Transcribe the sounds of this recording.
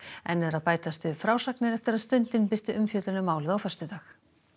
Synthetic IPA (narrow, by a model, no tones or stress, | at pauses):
ɛ̰nːɛðɾaðpaːjt̪ast̪ʏfɾaːwsaknɪɾɛft̪ɪɾaðst̪ʏnt̪ɪnpɪr̥t̪ɪʔʏmfjœːt̪lʏnʏmːaːwlɪðawfœ̥st̪ʏt̪aːx